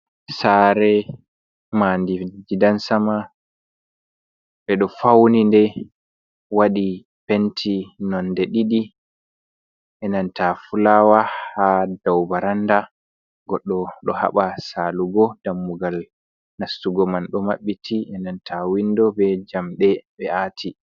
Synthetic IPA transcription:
saɾɛ | mandid͡ʒidansama | ɓɛɗɔfawnindɛ | waɗi | pɛntʰinɔndɛɗiɗi | ʔɛnantafulaːwahadawbaɾanda | ɡɔɗːɔɗɔha̰ɓasaluɡɔd̥amːuɡal | nasːuɡɔmanɗɔmaɓːitʰiʔɛnantʰawindɔbɛd͡ʒamɗɛɓɛatʰi

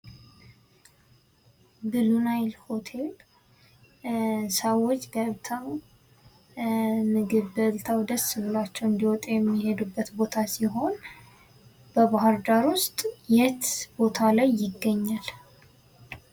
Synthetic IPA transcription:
ɡɨlunajlho̞t̪ʰe̞l | səwːɔt͡ʃːɡəβt̪ʰaw | mɨɡɨβbəlt̪ʰawd̪əsːɨlɨlat͡ʃːɛwɨnd̪iwɔt̪ʼjɛmːihe̞d̪ubːət̪bo̞t̪ʰasiɦo̞n | b̥əbaɦɨɾd̪aɾwʊst̪ʼjɛt̪b̥o̞t̪ʰalajːɪɡːəɲːal

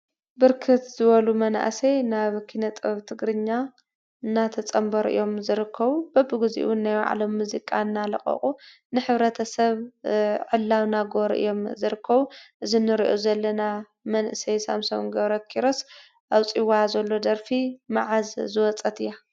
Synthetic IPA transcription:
bɨɾkʰɨt̪zɨβɐlumɐna̰sejnaβkʰinɐt̪ʼɐβt̪ʰɨɡɾɨɲːa | ɨnːat̪ʰɐt͡sʼɐmbɐɾʔɨ̰jo̞mzɨɾɨkʰːɐβub̥ɐbɨɡɨzḭʔwunːajwa̰ʕa̰lo̞mːuzikʼanːalɐχʼɐ̰χʼu | nɨħɨβɾɐt̪ʰɐsɐβʕɨlːawnaɡo̞ɾʔɨ̰jo̞mzɨɾɨkʰːɐβuʔɨzinɨɾiʔozɐlːɐna | mɐnʔɨsɐjsa̰msɐwɡɐβɾɐkʰiɾos | ʔawt͡sʼiwazɐlːo̞d̪ɐɾfimaʕazzɨwɔt͡sʼːɐt̪ʰɨjːa

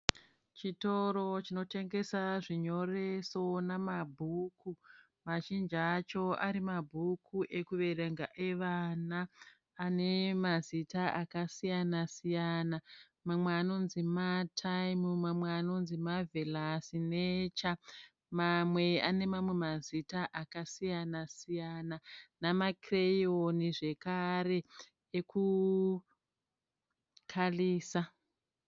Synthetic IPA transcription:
t͡ʃito̞ɾo̞t͡ʃino̞te̞ŋɡe̞saʐiɲo̞re̞so̞namabʱuku | maʃind͡ʒat͡ʃo̞aɾimabʱukʰuʔe̞kuʋe̞re̞ŋɡaʔe̞ʋanaː | ne̞mazitaʔakasijanasijana | mamweano̞nzimatʰajmumamweano̞nzimavelasinet͡ʃa | mamwe̞ane̞mamwe̞mazitaʔakasijanasijananamakrejoniʐe̞kare̞ | eku | kʰaliːsa

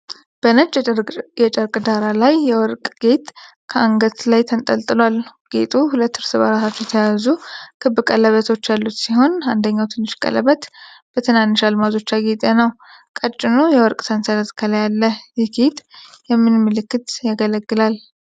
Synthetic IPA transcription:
b̥ənət͡ʃʼjɛt͡ʃʼəɾkʼd̪aɾalajːɛwɔɾkʼɡ̥e̞t̪ʼ | kʰəaŋɡət̪lajt̪ʰənt̪ʼəlt̪ʼɨlwalɡ̥ḛt̪ʼuhulət̪ːhɨɾsɨβa̰ɾatsʰat͡ʃːɛjɛt̪ʰəjazukʰɨbɨkʼələβət̪ʰo̞t͡ʃːjalːut̪siho̞nand̪əɲːawt̪ʰɨnːɨʃkʼə̰lə̰βət̪b̥ət̪ʰɨnanːɨʃalmazo̞t͡ʃːaɡet̪ʼenəw | kʼət͡ʃʼːɪnujɛwɔɾkʼsʰənsəɾət̪kʰəljalːəjɛɡet̪jɛmːɨnmːɨlɨkːɨt̪jaɡələɡːɨlal

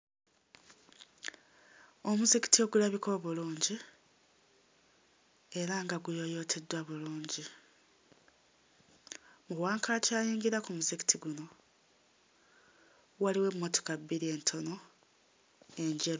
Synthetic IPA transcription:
o̞muzeki̥tio̞ɡulaβiko̞ːβuluːɲɟi | e̞ɾaŋɡaɡujo̞jo̞tʰe̞dːwaβuluːɲɟi | muwaːŋkʰalacaːjiːŋɡiɾakumuzeki̥tʰiɡuno̞ | waliwe̞mːo̞to̥kabːiɾie̞ntʰo̞no̞ | e̞ɲɟeɾo

